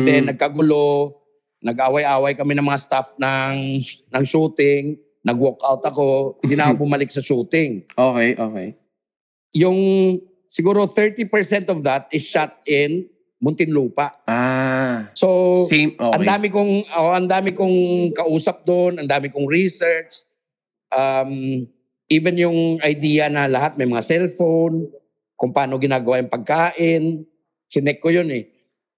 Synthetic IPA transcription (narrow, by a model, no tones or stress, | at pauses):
d̪ɛnːɐɡ̚kɐɡʊlo | nɐɡʔaːwɐjʔaːwɐjkɐmɛnɐŋmɐŋast̪afnɐŋnɐŋʃuːt̪ɪŋ | nɐɡwokawt̪ɐko̞d̪ɪnɐkabʊmɐlɪk̚sɐʃuːt̪ɪŋokɛʔoːkej | jʊŋ | sɪɡuːɾoθɛɹt̪ipɛɹsɛnt̪ɔvd̪ɐt̪̚ɪsʃat̪̚ɪn | mʊnt̪ɪnluːpɐʔa | so | ʔɐnd̪aːmɪkoŋʔɐnd̪aːmɪkoŋkɐʔuːsɐp̚d̪onɐnd̪aːmɪkʊŋɹisɛɹt͡ʃ | ʔam | ʔiːvɛnjʊŋɐjd̪iːjɐnɐlɐɦat̪̚mɐjmɐŋasɛlfown | kʊŋpɐaːnoɡɪnaːɡɐwaːjɐŋpɐɡ̚kaːʔɪn | sɪnɛkːojonɛ